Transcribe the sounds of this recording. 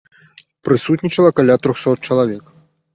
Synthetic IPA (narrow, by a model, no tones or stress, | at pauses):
pɾɨsut̪ʲnʲit͡ʃɐlˠɐkalʲat̪ɾɔxsɔt̪̚t͡ʃɐlˠavʲɛk